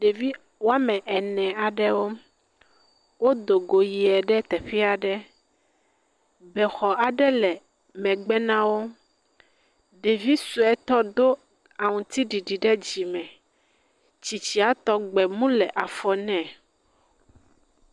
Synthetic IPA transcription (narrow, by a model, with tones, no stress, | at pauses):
ɖe˨vi˦ | wo˦a˦mɛ̃˨ʔɛ˨nɛ̃˨a˨ɖɛ˦wo˦ | wo˦d̪o˨ɡo˨ji˨ɛ˨ɖɛ˦t̪ɛ˨ɸi˦a˨ɖɛ˦ | bɛ˨xɔ˨ʔa˨ɖɛ˦lɛ˨ | mɛ̃˨ɡ͡bɛ˦nã˦wo˦ | ɖe˨vi˦su˨ɛ˦t̪ɔ˦d̪o˦ | a˨ŋũ˨t̪i˦ɖi˨ɖi˨ɖɛ˦d͡ʑi˨mɛ̃˨ | t͡ɕi˨t͡ɕi˦a˦t̪ɔ˦ɡ͡bɛ˨mũ˦lɛ˨ʔa˨fɔ˨nɛ̃˨